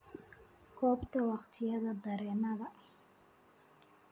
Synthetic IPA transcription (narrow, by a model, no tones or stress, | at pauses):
kʰɔːbt̪ʰɐwɑχt̪ʰɪjɐðɐd̪ɐɾɛːnɐðɐ